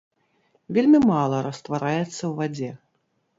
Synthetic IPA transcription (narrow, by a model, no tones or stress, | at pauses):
vʲelʲmʲimalˠɐɾɐst̪vaɾajɛt̪sːɐwvad͡zʲɛ